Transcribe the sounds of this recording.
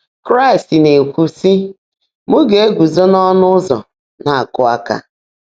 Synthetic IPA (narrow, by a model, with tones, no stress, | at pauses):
kɾa˦ɪ˨stne˨kʷu˨si˦ | mʊ˦ɡe˨e˦ɡʷu˨zo˦nɔ˦nʊ˦zɔ̰˨ | na˨a˨kʊ˦a˦ka̰˦